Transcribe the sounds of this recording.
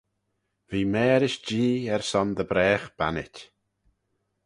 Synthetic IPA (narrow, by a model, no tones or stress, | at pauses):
viːmɛːɾɪʃd͡ʒiːɛɹsɔnd̪əbɾɛːxb̥a̰nɪ̰tʲ